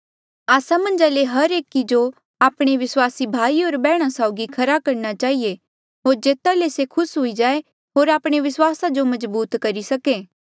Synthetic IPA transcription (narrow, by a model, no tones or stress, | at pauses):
aːsamɐ̃nd͡ʒaleɦɐɾeːkid͡ʒo | aːpɽ̃eʋɪswaːsibʱaːioːɾbɛːɽ̃asaːʊɡikʰɐɾakɐɾnat͡ʃaːɦie | ɦoːɾd͡ʒeːt̪alesekʰʊsɦʊid͡ʒaːe | ɦoːɾaːpɽ̃eʋɪswaːsad͡ʒomɐzbuːt̪kɐɾisɐkeː